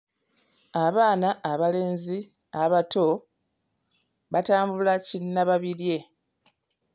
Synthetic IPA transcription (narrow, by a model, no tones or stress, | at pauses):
aβaːnaʔːβale̞ːnzi | aβato̞ | βataːmbulacinːaβaβiɾje̞